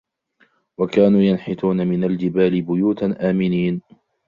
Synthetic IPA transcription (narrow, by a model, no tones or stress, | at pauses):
wakaːnuːjanħɪt̪uːnamɪnald͡ʒɪbaːlɪbʊjuːt̪aʔaːmɪniːn